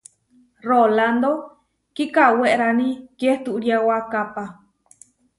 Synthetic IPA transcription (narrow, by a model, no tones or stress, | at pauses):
roland̪o | kikaweʔɾanĩkeht̪uʔɾiawakapa